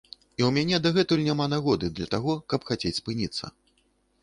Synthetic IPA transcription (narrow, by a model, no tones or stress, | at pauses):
iwmʲanʲɛd̪ɐɣɛt̪ulʲnʲamanaɣɔd̪ɨd̪lʲɐt̪aɣɔkɐpxat͡sʲet͡sʲspɨnʲit̪sːɐ̰